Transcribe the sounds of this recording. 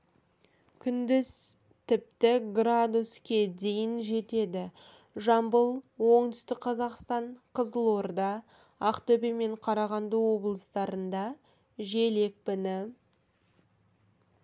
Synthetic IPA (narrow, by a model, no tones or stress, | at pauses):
kʲʰʏnd̪ɪz | t̪ʰɪp̚t̪ɪɡrad̪uskʲe̞d̪e̞jɪnʒe̞t̪e̞d̪ɪ | ʒɑmbəlˠwo̞ɴd̪ʏst̪ɪkqʰɑzɑqst̪ɑɴqʰəzəlˠo̞ɾd̪ɑ | ɑqt̪ɵbeme̞ɴqʰɑɾɑʁɑnd̪əwo̞blˠəst̪ɑɾənd̪ɑ | ʒe̞le̞k̚pɪnɪ